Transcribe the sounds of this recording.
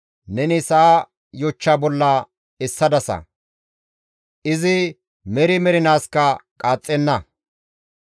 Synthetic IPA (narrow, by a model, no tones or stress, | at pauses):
nɛnɪsɐa | jɔt͡ʃːaːbɔlːɐ | ɛsːɐd̪ɐsɐ̰ | ʔɪzɪ | mɛɾɪmɛɾɪnaːskɐkʼaːt͡sʼːɛnːɐ